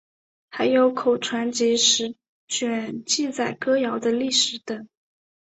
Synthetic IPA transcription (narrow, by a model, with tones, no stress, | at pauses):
xa˧˥ɪjo˧˥ʊkʰo˨˩ʊʈ͡ʂʰwa˧˥nt͡ɕi˧˥ʂɻ̩˧˥ | t͡ɕɥɛ˨˩nt͡ɕi˥˧t͡sa˥˩ɪkɤ˥jɑ˧˥ʊd̪ə˧li˥˩ʂɻ̩˨˧˥t̪ə˨˩˦ŋ